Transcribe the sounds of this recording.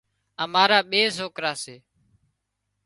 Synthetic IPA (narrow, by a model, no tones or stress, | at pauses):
əmaːɾaːɓeːzoːkɾaːseː